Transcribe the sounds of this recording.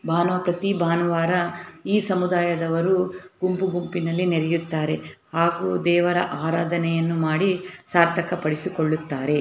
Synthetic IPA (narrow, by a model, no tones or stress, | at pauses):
bʱaːnʋɐpɾɐt̪ibʱaːnɐʋaːɾɐiːsɐmud̪aːjɐd̪ɐʋɐɾuɡumpuɡumpinɐlːineɾɛjut̪ːaːɾe̞haːɡuːd̪ɛːʋɐɾɐʔaːɾaːd̪ʱɐnɛjɐnːumaːɽisaːɾt̪ʰɐkɐpɐɽisikoɭːut̪ːaːɾe̞